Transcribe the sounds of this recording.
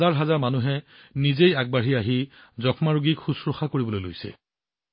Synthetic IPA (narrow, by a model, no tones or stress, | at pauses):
aɹɦazaɹmanuɦɛ | nizejaɡ̚baɹiaɦizɔkʰmaɹuɡikxusɹoxakoɹibɔlojlo̰jsɛ̰